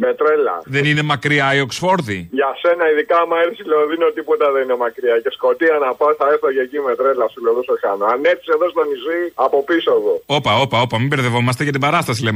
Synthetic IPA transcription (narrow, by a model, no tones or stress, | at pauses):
met̪ɾelɐ̰ðe̞nine̞mɐkɾiɐio̞ksfo̞ɾðiʝɐse̞nɐiðikɐmɐɾsiloðino̞t̪ipo̞t̪ɐðenine̞mɐkɾiɐce̞sko̞t̪iɐnɐpɐsθɐeoʝecimet̪ɾe̞lɐsiloðusoçɐnoɐne̞θi̥seðost̪oniziɐpo̞piso̞ðoo̞pɐo̞pɐo̞pɐmimbeɾðe̞vo̞mɐst̪e̞ʝɐt̪̬ibɐɾɐst̪ɐs̬ilem